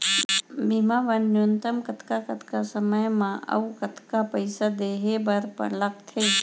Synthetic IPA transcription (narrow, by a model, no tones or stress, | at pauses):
bimaʋənːjunt̪əmkət̪ʰkakɐt̪ʰkasəməjmãʔɐ̰ukət̪ʰkapəɪsad̪eɦebɐɾpə̰lək̚t̪ʰe